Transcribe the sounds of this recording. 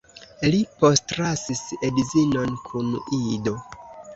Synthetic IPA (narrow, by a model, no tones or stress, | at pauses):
lipo̞stɾasisedizino̞nkʰunido̞